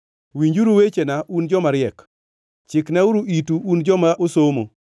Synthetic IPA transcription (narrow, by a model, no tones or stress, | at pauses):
wiɲd͡ʒuɾuwet͡ʃenaʔund͡ʒɔmaɾɪɛk | t͡ʃɪknauɾuʔituund͡ʒɔmaʔosomo